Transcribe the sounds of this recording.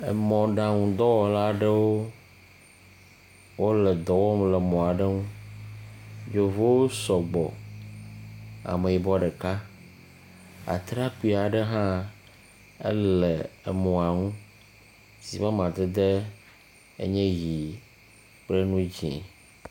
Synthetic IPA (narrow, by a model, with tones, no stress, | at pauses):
e˨mɔ̃˨ɖã˨ŋũ˨d̪ɔ˦wɔ˨la˦ɖe˦wo˦ | wʔo˦lɛ˨d̪ɔ˨wɔ˦mle˨mɔ̃˨a˨ɖe˦ŋũ˦ | d͡ʒo˦vo˦wo˦sɔ˨ɡ͡bɔ̰˨ | a̰˨me˨ji˨bɔ˦ɖe˨ka˦ | a̰˨t̪ɾa˦ku˦i˨˦a˨ɖə˦ɦã˦ | ḛ˦le˨e˨mɔ̃˨a˨ŋũ˦ | zi˨mã˦mã˨d̪e˦d̪e˦ | ḛ˦ɲɛ̃˦ji˨ | k͡ple˦nũ˦d͡ʑi˨ɛ̰̃˨